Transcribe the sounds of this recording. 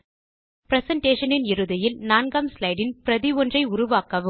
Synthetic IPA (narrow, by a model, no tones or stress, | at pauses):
pɪɾɛsɐɳʈeːʂɐnɪnɪɾɯðɐjɪlnaːnɡɐmslɐɪɽɪnpɪɾɐðɪʋɔndrɐɪʊɾʊʋaːkɐʋɯ